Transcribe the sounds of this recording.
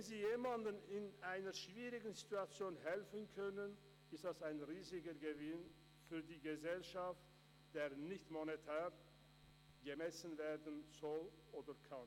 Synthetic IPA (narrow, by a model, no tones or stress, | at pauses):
vɛnziːjeːmandənɪnʔaɪnɐʃv̥iːʁɪɡn̩zituat͡sjoːnɦɛlfənkʰœnən | ɪstd̥asaɪnʁiːzɪɡəɡəvɪn | fyːɐdiːɡəzɛlʃaft | d̥eːɐnɪçtmonetʰɛːʁ | ɡəmɛsən̩veːɐdən̩z̥ɔl | ʔoːdɐkʰan